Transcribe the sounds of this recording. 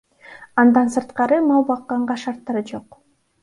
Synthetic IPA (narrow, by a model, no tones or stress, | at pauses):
ɑnd̪ɑnsɯɾt̪qɑɾɯmɑlˠbɑqːɑɴɢɑʃɑɾt̪ːɑɾɯd͡ʒo̞q